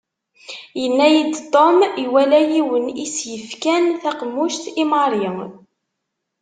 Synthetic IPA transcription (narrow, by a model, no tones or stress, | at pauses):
jənːæjid̪t̪ˤːomiwælæjiwənisjəfkænθæqmːuʃt̪imɑɾˤjə